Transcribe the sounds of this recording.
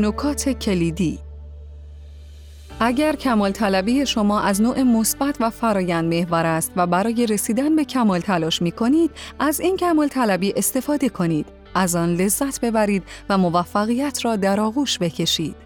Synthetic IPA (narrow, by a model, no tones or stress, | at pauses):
nokʰɒːt̪ʰe̞cʰeliːd̪iː | ʔæɟæɾcʰæmɒːlt̪ʰælæbiːje̞ʃo̞mɒːʔæznoːʔe̞mosb̥æt̪ʰvæfæɾɒːjænd̪me̞hvɒːɾæst̪væbæɾɒːje̞ɾe̞siːd̪ænbe̞cʰæmɒːlt̪ʰælɒːʃmiːkʰo̞niːd̪̥æziːncʰæmɒːlt̪ʰælæbiːʔe̞st̪e̞fɒːd̪e̞kʰo̞niːd̪̥ | æzɒːnle̞zːæt̪ʰbe̞bæɾiːd̪væmo̞væfːæɣijæt̪ʰrɒːd̪æɾɒːɣuːʃbe̞cʰe̞ʃiːd̪̥